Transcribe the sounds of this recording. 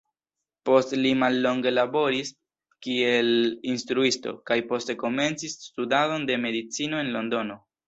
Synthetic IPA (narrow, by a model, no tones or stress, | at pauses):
po̞stlimalːo̞ŋɡe̞labo̞ɾis | kielinstɾuisto̞̰kajpo̞ste̞ko̞me̞nt͡sisːtudado̞nde̞me̞dit͡sino̞e̞nlo̞ndo̞no̞